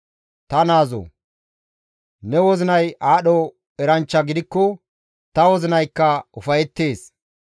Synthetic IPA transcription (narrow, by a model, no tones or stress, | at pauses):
t̪ɐnaːzo̰ | nɛwɔzɪnɐjʔaːɗɔ | ɛɾɐnt͡ʃːɐɡɪd̪ɪkːɔ | t̪ɐwɔzɪnɐjkːɐʊfɐjɛt̪ːe̞ːs